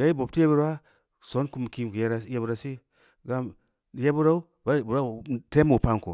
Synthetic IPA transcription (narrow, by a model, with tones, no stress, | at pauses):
ja˨˦i˦bo˨ti˦e˦bu˦ɾa˦ | so˨˦nku˦˨m˨ki˦mku˨je˦ɾa˦je˦bu˦ɾa˨si˦ | ɡa˦m˨ | je˦bu˦ɾa˦u˦ | ba˦˨bu˨ɾa˦˨te˦mu˨pa˦ŋ˨kṵ˨